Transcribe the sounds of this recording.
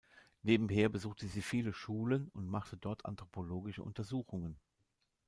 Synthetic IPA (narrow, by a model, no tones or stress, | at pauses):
neːbm̩ɦeːɐbəzuːxtəziːfiːləʃuːlənʊntmaχtədɔɐtʰʔa̰ntʁ̥opʰoloːɡɪʃə̰ʔʊ̰ntɐzuːxʊŋən